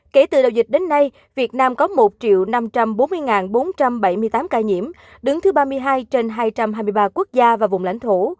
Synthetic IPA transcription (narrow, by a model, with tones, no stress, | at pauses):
ke˧˩t̪ɨ̰˧˨ɗə̰˨˧˩wzï˨˩k̟̚ɗe˨˦nːa˧j | vi˨˩ət̚naː˧mkɔ˨˦mo˨˩t̚t͡ɕḭ˧˨əwna˧mt͡ɕa˧mɓo˨˦nmɨ˧əjŋaː˨˩nɓo˨˦nt͡ɕa˧mɓə˧˩jmɨ˧əjt̪aː˨˦mkaː˧˩jɲḭ˧˩əm | ɗɨ˨˦ŋt̪ʰɨ˨˦ɓaː˧mɨ˧əjɦaː˧jt͡ɕe˧nɦaː˧jt͡ɕa˧mhɦaː˧jmɨ˧jɓaː˧ku˦˥ək̚zaː˧vaː˨˩vʊ̰˨˩˨ŋ͡mla̰˧˥jŋ̟t̪ʰu˧˩